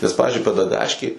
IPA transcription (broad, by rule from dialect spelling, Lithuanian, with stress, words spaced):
nʲɛs ˈpɑːʋʲɪzʲd͡ʒʲʊɪ pʲɛdɐˈɡɑːʃʲkʲeːj